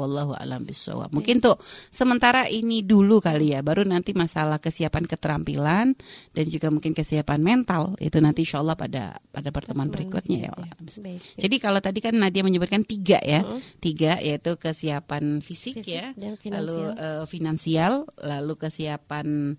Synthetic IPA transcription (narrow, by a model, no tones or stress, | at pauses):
ɑlːaɦua̰la̰mbɪsa̰wa̰p̚muŋkɪnt̪ʊsəmənt̪aɾaʔinidulukalijabaɾunant̪imasalahkəsiapankət̪əɾampḭlandand͡ʒuɡamuŋkɪnkəsiapanmɛnt̪alḭt̪unant̪inʃalˠːɑhpa̰da̰padapərt̪əmuanbəɾikɔ̰t̪̚ɲa̰ja̰w̰mbd͡ʒadikalot̪adikanːadiaməɲəbʊt̪̚kant̪iɡa̰ʔjat̪iɡaʔjʔait̪ukəsiapanfisɪkjala̰luʔəːfinansialːalukəsiapan